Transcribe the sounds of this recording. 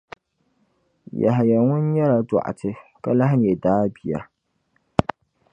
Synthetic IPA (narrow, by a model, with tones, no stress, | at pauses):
ja̰˨ɦa˨ja˨ŋʊ˦n˦ɲɛ˦la˨da̰˨ʔa̰˨tʰɨ˨ka˦la˦ɦa˦m˨ɛ˨daː˦bi˦ja̰˨